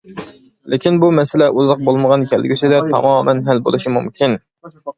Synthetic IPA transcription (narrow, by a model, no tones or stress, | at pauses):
lʔɪkʲinbumɛsɪlɛʔuzɑq̚bolˠməʁɑnkʲʰælɡʲysɪd̪ɛt̪ʰɑ̰mɑːmɛnɦælbo̰lˠuʃimumkʲʰin